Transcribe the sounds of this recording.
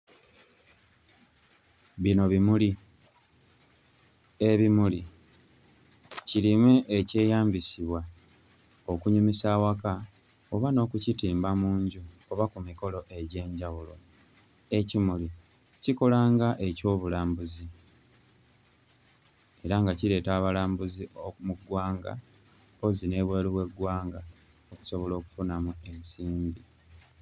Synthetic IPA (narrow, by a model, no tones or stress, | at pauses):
βino̞βimuli | e̞βimuli | cilimweʔːce̞ːjaːmbisiβwa | o̞kuɲumisaːwaka | oβano̞ːkucitiːmbamuːɲɟu | oβakumiko̞lo̞ʔe̞ɟe̞ːɲɟawulo̞ | e̞cimuli | ciko̞laːŋɡaʔe̞co̞ːβulaːmbuzi | e̞ɾaŋɡaciɾe̞ːtaːβalaːmbuziomuɡwaːŋɡa̰ | o̞zine̞ːβwe̞ːliwe̞ɡwaːŋɡa | o̞ku̥so̞βo̞lo̞ːku̥funamue̞nsiːmbi